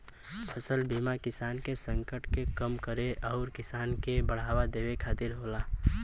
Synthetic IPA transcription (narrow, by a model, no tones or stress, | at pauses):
pʰəsəlbʱiːmakɪsaːnkesə̃ŋkəʈkekəmkəɾeʔɔʊɾkɪsaːnkebəɽ̤aːwad̪eːwekʰaːt̪ɪɾɦoːlaː